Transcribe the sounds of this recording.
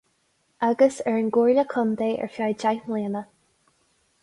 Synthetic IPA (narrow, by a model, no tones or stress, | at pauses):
aɡəsɛɹənɡuːɹləkʰɔmd̪eːʔɛ̰ɹfajd͡ʒajmliːnə